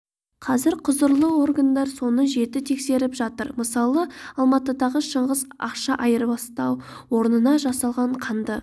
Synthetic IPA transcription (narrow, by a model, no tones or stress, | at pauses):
qʰɑzɪɾqʰʊzəɾlˠəo̞rɡand̪ɑɾso̞nəʒe̞t̪ɪt̪ʰe̞kse̞ɾɪpʒɑt̪əɾməsɑlˠəɑlˠmɑt̪əd̪ɑʁəʃəɴʁəzɑqʃɑʔɑjəɾbɑst̪ɑw | wo̞ɾnənɑʒɑsɑlˠʁɑɴqʰɑnd̪ə